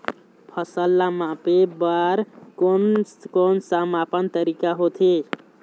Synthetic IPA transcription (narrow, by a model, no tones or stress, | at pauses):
pʰəsəlːamãpebaɾonkonsamapənt̪əɾikaɦot̪ʰe